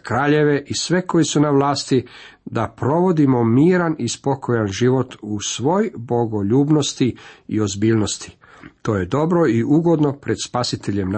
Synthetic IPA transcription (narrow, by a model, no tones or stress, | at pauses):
kɾaːʎe̞ʋe̞ʔisʋe̞ko̞jisunaʋlaːst̪id̪apɾo̞ʋo̞d̪imo̞miːɾanispo̞ko̞janʒiʋo̞t̪usʋo̞ːjbo̞ɡo̞ʎuːbno̞st̪iio̞zbiːlno̞st̪i̥ | t̪o̞ːje̞d̪o̞bɾo̞iʔuɡo̞d̪no̞pɾe̞d̪spasit̪eʎe̞mn